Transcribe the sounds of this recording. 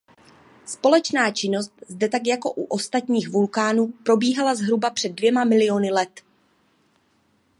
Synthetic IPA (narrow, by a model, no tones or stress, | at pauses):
spo̞lɛt͡ʃnaːt͡ʃɪno̞st̪̚zdɛt̪akjako̞ʔuʔo̞st̪at̪ɲiːxvulkaːnuːpɾo̞biːɦalazɦɾubapr̝̥ɛd̚ːvjɛmamɪlɪjo̞nɪlɛt̪